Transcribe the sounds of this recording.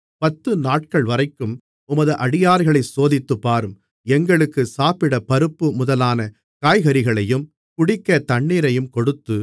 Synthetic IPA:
pɐt̪ːɯnaːʈ̚kɐɭʋɐɾɐɪkːɯm | ʊmɐðɯʔɐɽɪjaːɾɣɐɭɐɪsoːðɪt̪ːɯpːaːɾɯm | ɛŋɡɐɭɯkːɯsaːpɪɽɐpɐɾɯpːɯmʊðɐlaːnɐ | kaːjɣɐɾɪɣɐɭɐjɯm | kʊɽɪkːɐt̪ɐɳːiːɾɐjɯmkɔɽɯt̪ːɯ

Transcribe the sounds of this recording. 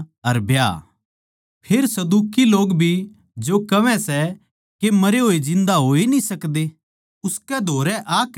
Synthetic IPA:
ɐɾbja̰ː | pʰeːɾsɐd̪uːkiloːɡbʱi | d͡ʒokɐʋɛ̃sɛ | kemɐɾeɦoːid͡ʒɪ̃nd̪aɦoːinĩsɐkd̪eː | ʊskɛd̪ʱoːɾɛʔaːk

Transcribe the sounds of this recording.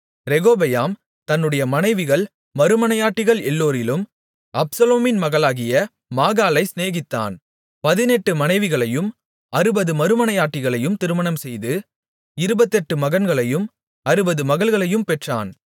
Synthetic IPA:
ɾɛɣoːbɐjaːm | t̪ɐnːɯɽɐjɐmɐnɐɪʋɪɣɐɭ | mɐɾɯmɐnɐjaːʈːɪɣɐɭɛlːoːɾɪlɯm | ʔɐbsɐloːmɪnmɐɣɐɭaːɣɪjɐ | maːɣaːlɐɪsneːɣɪt̪ːa̰ːn | pɐðɪnɛʈːɯmɐnɐɪʋɪɣɐɭɐjɯm | ɐɾɯbɐðɯmɐɾɯmɐnɐjaːʈːɪɣɐɭɐjɯmt̪ɪɾɯmɐnɐmsɛjðɯ | ɪɾɯbɐt̪ːɛʈːɯmɐɣɐnɡɐɭɐjɯm | ɐɾɯbɐðɯmɐɣɐɭɣɐɭɐjɯmpɛʈra̰ːn

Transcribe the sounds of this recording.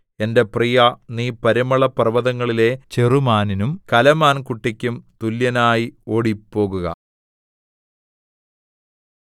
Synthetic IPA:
e̞nde̞prijɐniːpɐɾimɐɭɐprɐʋɐðɐŋːɐɭile̞t͡ɕerumaːninumkɐlɐmaːnkuʈːikʲːumt̪uljɐnaːjio̞ɽipːo̞ːɣuɣɐ̰

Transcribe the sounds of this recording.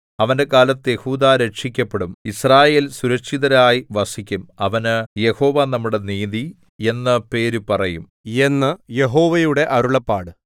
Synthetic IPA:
ɐʋɐnde̞kaːlɐt̪ːɨje̞huːd̪aːɾeʈʂikʲːɐpːe̞ɽumisraːje̞ːlsuɾɐkʂiðɐɾaːjiʋɐsikʲːumɐʋɐnɨje̞ho̞ːʋaːnɐmːuɽe̞niːði | e̞nːɨpe̞ːɾupɐrɐjum | e̞nːɨje̞ɦo̞ːʋɐjuɽe̞ʔɐɾuɭɐpːaːɽɨ

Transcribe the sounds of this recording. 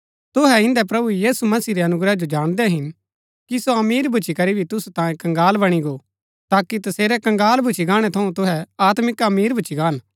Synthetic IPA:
t̪ʊɦɛɪ̃nd̪ɛpɾɐbujiːsumɐsiːɾeɐnʊɡɾɛd͡ʒod͡ʒaːɽ̃d̪ɛɦɪn | kisoɐmiːɾbʱʊt͡ʃʰikɐɾibʱit̪ʊsut̪ãːjẽkɐ̃ŋɡaːlbɐɽ̃iɡo | t̪aːkit̪ɐseːɾɛkɐ̃ŋɡaːlbʱʊt͡ʃʰiɡaːɽ̃ɛt̪ʰɐũt̪ʊɦɛaːt̪mɪkɐmiːɾbʱʊt͡ʃʰiɡaːn

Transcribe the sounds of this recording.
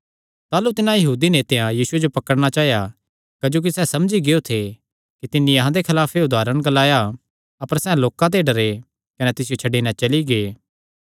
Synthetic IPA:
t̪aːlut̪ɪnãjɐɦuːd̪inet̪ẽãjiːsʊed͡ʒopɐkəɽɽ̃at͡ʃaːɦeja | kɐd͡ʒoːk̬isɛːsɐmd͡ʒiɡeot̪ʰe | kit̪ɪnːiɐɦãd̪ekʰɐlaːpʰeʊd̪aːɾəɽ̃ɡɐlaːja | ɐpəɾsɛ̃loːkãt̪̬eɖɐɾe | kɐnet̪ɪs̬ɪjot͡ʃʰɐɖiːnãt͡ʃɐliɡeː

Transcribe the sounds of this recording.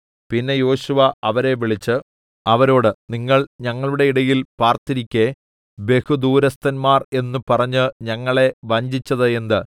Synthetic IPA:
pinːe̞jo̞ːɕuʋɐɐʋɐɾe̞ʋiɭit͡ɕːɨ | ɐʋɐɾo̞ːɽɨniŋːɐɭɲɐŋːɐɭuɽe̞iɽɐjilpaːrt̪iɾikʲːe̞ | be̞hud̪uːɾɐst̪ɐnmaːre̞nːupɐrɐɲːɨɲɐŋːɐɭe̞ʋɐɲd͡ʑit͡ɕːɐðɨe̞nd̪ɨ

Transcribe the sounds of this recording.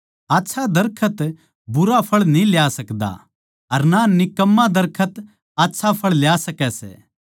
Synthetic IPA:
aːtːʃʰad̪ɐɾkʰət̪ | bʊɾapʰɐɭnĩljasɐkd̪a̰ | ɐɾnanɪkəmːad̪ɐɾkʰət̪ | aːtːʃʰapʰɐɭljaːsɐkɛsɛ̰ː

